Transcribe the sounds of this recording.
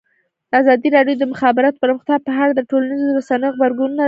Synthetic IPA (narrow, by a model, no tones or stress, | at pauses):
d̪̥əazɑd̪iɾɑɖjod̪əmʊxɑbɪɾat̪o̥pəɾməxt̪jɑpəɦaɽad̪əʈolanizoɾasanəjoɣbaɾɡununa